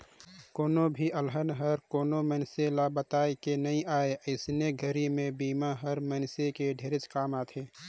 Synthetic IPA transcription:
koːnobʱiʔəlɦənɦəɾkoːnomənselabət̪aːjkenɐɦĩaːeʔəɪsneɡʱəɾimẽbiːmaɦəɾməːnsekeɖʱeːɾɪt͡ʃkaːmaːt̪ʰeː

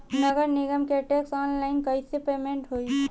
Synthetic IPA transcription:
nəɡəɾneɡəmkeʈeksɔnlaɪnkəjsepemeɳʈɦoi

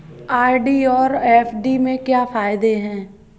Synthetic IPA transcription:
aːɖiɔːɾɛːfɖimẽkjaːfaːɪd̪eɦɛ̃ː

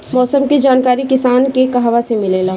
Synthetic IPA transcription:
mɔːsəmked͡ʒaːnkaːɾikɪsaːnkekaɦʋasemɪleːlaː

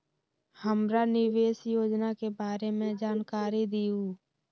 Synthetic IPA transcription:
həmɾanɪʋeːsjoːd͡ʒnakebaːɾemẽd͡ʒaːnkaːɾid̪iːuː

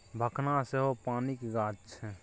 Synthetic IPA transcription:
bʱəkʰnaseɦopaːnikɡaːt͡ʃt͡ʃʰɛ

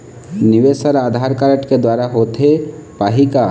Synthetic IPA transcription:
nɪʋesəɾaːd̪ʱaːɾkaɾəʈked̪waːɾaɦoːt̪epaːɦika

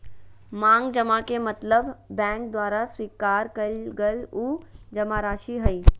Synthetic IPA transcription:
mãːŋɡd͡ʒəmakemɐt̪ləbbɛ̃ːŋk̚d̪waːɾaswiːkaːɾkəlɡəluːd͡ʒɐmaɾaːʃiɦəi

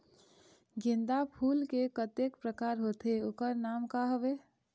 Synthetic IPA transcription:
ɡind̪apʰulkekət̪ekpɾəkaɾɦot̪eokəɾnamkaɦəbe

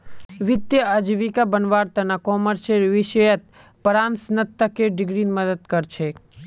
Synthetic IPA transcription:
ʋɪd̪jəəd͡ʒʋikabənʋaːɾt̪ɐnakɔːməɾʃeɾʋɪʃəjət̪̚ | pəɾaːnsnət̪ːəkeɖɪɡɾinməd̪əd̪kəɾt͡ʃʰe

